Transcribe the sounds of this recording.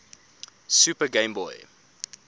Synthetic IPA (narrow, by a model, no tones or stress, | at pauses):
sʉpəɡẽɪmbɔj